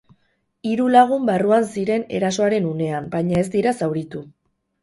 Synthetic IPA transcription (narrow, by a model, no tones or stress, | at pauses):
iɾulaɣ̞umbaruansiɾe̞ne̞̰ɾaso̞aɾe̞nune̞ambajɲae̞zd̪iɾasawɾit̪u